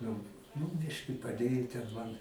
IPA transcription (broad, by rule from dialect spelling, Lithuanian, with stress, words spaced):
nʊ nʊ ˈbʲɪʃʲkʲɪ pɐˈdʲeːjʊ tʲɛn ˈmɐn